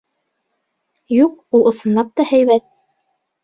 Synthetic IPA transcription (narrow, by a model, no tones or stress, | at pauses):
juq̚ulˠŏsɤ̆nlˠɑp̚t̪ɑhæjβæt̪̚